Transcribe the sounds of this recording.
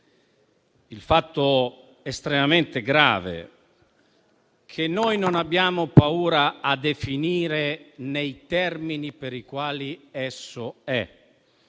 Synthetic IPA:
ilfat̪ːo | est̪ɾemament̪eɡɾa̰ːvḛ | kʰenːojnonabːjaːmopauːɾaːd̪efiniːɾenejt̪ɛrminipeɾikwaːliɛsːoɛ

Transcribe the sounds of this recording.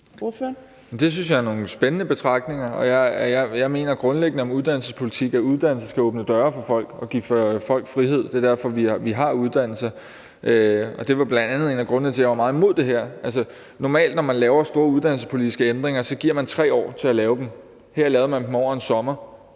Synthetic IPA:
md̥e̝s̬ynsjɑ̈æɐno̝ːŋ̩sb̥enənəb̥e̝t͡sʰʁɑ̈ɡ̥̚ne̝ŋɐɒ̽jɑ̈ɪjɑɪjɑ̈ɪme̝̰ːnɐɡ̥ʁɔ̽nleɡ̥nəɒ̽muð̞ˠd̥æn̰l̩səspʰo̝li̥t͡sʰiɡ̥æuð̞ˠd̥æn̰l̩səsɡ̥æɔːb̥nəd̥ɶːɐfɒ̽fɒ̽l̰ɡ̥ɒ̽ɡ̥iffɒ̽l̰ɡ̥fʁihe̝ð̞̰ˠd̥e̝ɐd̥æɐ̰fɒ̽ʋiʋiɦɑ̈uð̞ˠd̥æn̰l̩sɐ | ʔøɒ̽d̥e̝ʋɑ̈b̥lænd̥ænð̩ˠe̝̰ːnæɡ̥ʁɔ̽nnət͡sʰe̝jɑʋɑ̈mɑ̈ːð̩ˠmo̝ð̞̰ˠd̥e̝ɦæɐ̰ʔælsə | nɒmɛ̰ːld̥nɒmænlɛːʊɐsd̥o̝ːɐuðˠd̥ænl̩sə̥spʰo̝lid̥isɡ̥əend̥ʁeŋɐsɒ̽ɡ̥iɐ̰mænt͡sʰʁɛ̰ːɒ̰ːt͡sʰe̝ælɛːʊd̥em | heɐ̰lɛːʊðˠmænm̩ɒ̰ːensɒ̽mɐ

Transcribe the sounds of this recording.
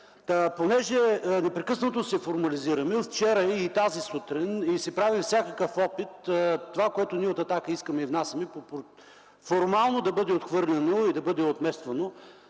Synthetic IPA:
aponɛʒɛnɛpɾɛkɤsnət̪osɛfoɾmɐliziɾɐmɛft͡ʃɛɾəit̪azisut̪ɾinisɛpɾavifsʲjakəkəfɔpit̪t̪ːovakoɛt̪ʊniɛot̪ɐt̪akəiskəmɛivnasɐmɛpop | foɾmalˠnod̪ɐbɤd̪ɛot̪xvɤɾnɛnoid̪ɐbɤd̪ɛot̪mɛst̪vɐno

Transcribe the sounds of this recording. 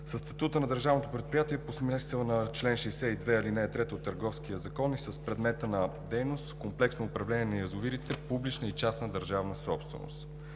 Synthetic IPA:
səsːt̪ɐt̪ut̪ənɐd̪əɾʒavnot̪opɾɛt̪̚pɾijat̪iɛposmɛsɛlˠnɐt͡ʃlɛnʃɛjsɛid̪vɛilinɛːt̪ɾɛt̪ot̪ːəɾɡɔfskijəzɐkɔnisəspɾɛd̪mɛt̪ənɐd̪ɛjnost̪komplɛksnoːpɾɐvlɛniɛnɐjɐzʊviɾit̪ɛpublit͡ʃnəit͡ʃasnəd̪əɾʒavnəsɔpst̪vɛ̰no̰st̪

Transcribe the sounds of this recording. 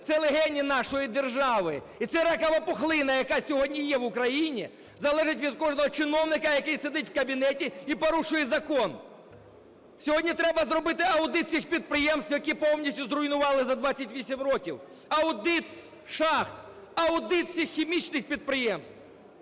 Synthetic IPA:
t̪sɛlˠeɦɛnʲːinɑʃɔjid̪erʒɑʋɪ | it̪sɛɾɐkɐʋɐpɔxlˠɪnɐjɐkɑsʲɔɦɔdʲnʲijɛwʊkɾɐjinʲi | zɐlˠɛʒɪtʲʋʲid̪kɔʒnɔɦɔt͡ʃɪnɔwnɪkɐjɐkɪjsed̪ɪtʲwkɐbʲinɛtʲiipɔɾuʃʊjɛzɐkɔn | sʲɔɦɔdʲnʲit̪ɾɛbɐzɾɔbɪt̪ɪɐwd̪ɪt̪sʲixpʲid̪̚pɾɪjɛmst̪wʲjɐkipɔwnʲisʲtʲʊzrʊjnʊʋɑlˠɪzɐd̪ʋɑat͡sʲːɐtʲʋʲisʲimrɔkʲiw | ɐwd̪ɪt̪ | ʃɑxt̪ | ɐwd̪ɪt̪sʲixːʲimʲit͡ʃnɪxpʲid̪̚pɾɪjɛmst̪w

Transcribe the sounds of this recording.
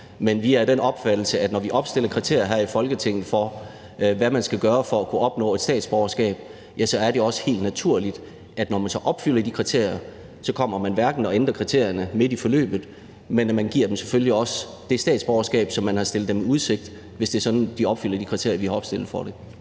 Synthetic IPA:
menʋiæɐd̥enɒ̽b̥fæd̥l̩səæd̥nɒʋiʔɒ̽b̥sd̥e̝lɐkʰʁit͡sʰe̝ɐ̰jɐɦæɐ̰ifɒ̽lɡ̥ət͡sʰe̝ŋ̰ð̩ˠfɒ̽ | ʋæmænsɡ̥æɡ̥ɶːɐfɒ̽ækʰuɒ̽b̥nɔ̰̽ːe̝d̥sdɛ̰ːd̥sb̥ɒʊɐsɡ̥ɛ̰ːb̥ | jæsɒ̽æɐɾe̝ɒ̽sə̥he̝̰ːld̥næt͡sʰuɐ̰lid̥ | ʔæd̥nɒmænsɒ̽ʔɒ̽b̥fyl̰ɐd̥ikʰʁit͡sʰe̝̰ɐ̰jɐ | sɒ̽kʰɒ̽m̰ɐmænʋæɐɡ̥n̩ɒ̽end̥ʁɐkʰʁit͡sʰe̝̰ɐ̰jɐnəme̝ð̥ˠifɒ̽lø̰ːb̥ð̩ˠ | menmænɡ̥iɐ̰d̥emseføljliɒ̽sə | d̥e̝sd̥ɛ̰ːd̥sb̥ɒʊɐsɡ̥ɛ̰ːb̥sɒ̽mːænhɑsd̥lð̥̩ˠd̥emuð̞ˠse̝ɡ̥̚d̥ | ʋe̝sd̥e̝ːɐsɒ̽d̥n̩d̥iɒ̽b̥fyl̰ɐd̥ikʰʁit͡sʰe̝ɐ̰jɐʋihɑ̈ɒb̥sd̥e̝l̰ð̩ˠfɒ̽ɾ̥e̝

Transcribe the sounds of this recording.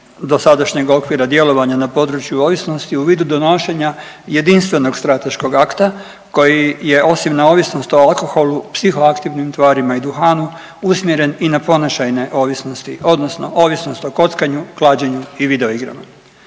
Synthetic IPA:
d̪o̞sad̪aʃɲe̞ɡo̞kʋiɾad̪je̞lo̞ʋaɲanapo̞d̪ɾut͡ɕjuo̞ːʋisno̞st̪iuʋiːd̪ud̪o̞noʃe̞ɲaje̞d̪inst̪ʋe̞no̞ɡst̪ɾat̪e̞ʃko̞ɡakt̪a | ko̞jije̞ʔo̞simnao̞ːʋisno̞st̪o̞alko̞xo̞lupsixo̞akt̪iʋnimt̪ʋaːɾimaid̪uxaːnu | usmje̞ɾe̞ninapo̞naʃajne̞ʔo̞ːʋisnost̪iʔo̞d̪nosno̞̰ʔo̞ːʋisno̞st̪o̞ko̞t̪skaɲuklˠaːd͡ʑeɲuiʋid̪eoiɡɾa̰ma

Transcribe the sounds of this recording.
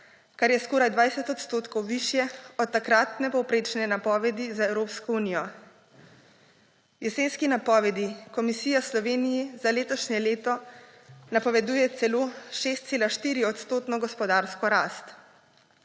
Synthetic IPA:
kaɾjɛskoːɾajd̪ʋajsɛt̪ɔt̪st̪oːt̪kɔwʋiʃjɛɔt̪̚tːakɾat̪nɛpɔwpɾeːt͡ʃnɛnapɔʋɛd̪izaɛwɾoːpskɔuːnijɔ | jɛseːnskinapɔːʋɛd̪ikɔmisiːjaslɔʋeːnijizaleːt̪ɔʃɲɛleːt̪ɔ | napɔʋɛd̪uːjɛt̪sɛloʃest̪seːlaʃt̪iːɾiɔt̪st̪oːt̪nɔɡɔspɔd̪aːɾskɔɾaːst̪

